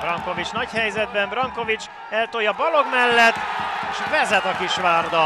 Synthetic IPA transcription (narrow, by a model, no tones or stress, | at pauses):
brɒŋko̞vit͡ʃnɒchɛjzɛd̪bɛmbrɒŋko̞vit͡ʃ | ɛlt̪o̞jɒbɒlo̞ɡmɛlːɛt̪ːʃvɛzɛt̪ɒkiʃʋaːrd̪ɒ